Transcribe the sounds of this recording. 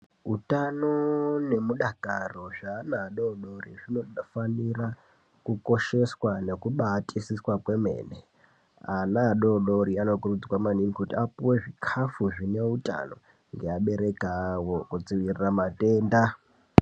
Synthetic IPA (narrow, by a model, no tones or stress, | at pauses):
ɦutanone̞muɗaɡʱaro̞ʐaːnaɗoɗoriʐino̞fanira | kuko̞ʃe̞swane̞kuɓatʼisiswakwe̞me̞̰ːne | anaɗoɗoɾiano̞kurud͡zikwamaninikutiapuwe̞ʐikʰafuʐine̞utʼa̰no̞̰ | ŋɡeaɓe̞ɾe̞kawo̞kud͡ziʋiriramatʼeːnda